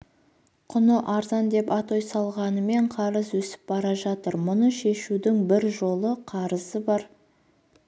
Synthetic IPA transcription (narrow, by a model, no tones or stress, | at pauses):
qʰʊnəʔɑɾzɑnd̪e̞pɑt̪o̞jsɑlˠʁɑnəme̞ɴqʰɑɾəzwɵsɪ̥p̚bɑɾɑʒɑt̪əɾmʊnəʃe̞ʃud̪ɪŋbɪɾʒo̞lˠəqʰɑɾəzəbɑɾ